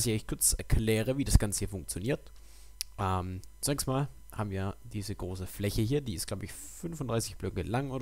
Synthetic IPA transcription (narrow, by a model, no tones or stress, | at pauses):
sɪçaɪçtkʰʊɐt͡sɛɐklɛːʁ̞əviːdasɡ̥ant͡sə̥hiːɐfʊŋk̚t͡sjoniːɐt | ʔɛmt͡sunɛkstmaːl | haːbm̩viːɐd̥iːzəɡʁoːsəflɛçəhiːɐdiːɪstɡ̥laʊbəɪç | fʏnfʊnd̥ʁaɪsɪçb̥lœkŋəlaŋʔoːd